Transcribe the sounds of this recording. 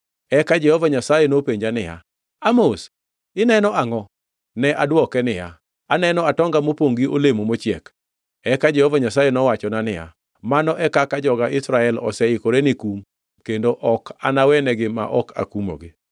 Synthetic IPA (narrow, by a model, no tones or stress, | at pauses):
ɛkad͡ʒɛhɔvaɲasajenopeɲd͡ʒanɪja̰ | amos | ɪnɛnɔaŋɔ | nɛʔadwɔkɛnɪja̰ | anɛnɔatɔŋɡamopoŋɡio̰lemomot͡ʃjɛk | ɛkad͡ʒɛhɔvaɲasajenɔwat͡ʃɔnanɪja̰ | manɔʔɛkakad͡ʒɔɡaɪsɾaɛlɔ̰sɛɪkoɾenɪkum | kendoʔɔka̰nawɛnɛɡɪma̰ʔɔkʰa̰kumo̰ɡɪ